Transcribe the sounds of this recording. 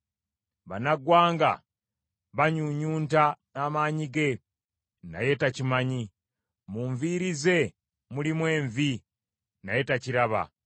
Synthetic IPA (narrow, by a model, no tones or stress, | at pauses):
βanaɡwaːŋɡa̰ | βaɲuɲuːntanaːmaːɲiɡe̞ | na̰je̞tacimaɲi | muɱviːɾize̞ | mulimwe̞ːɱvi | naje̞taciɾaβa̰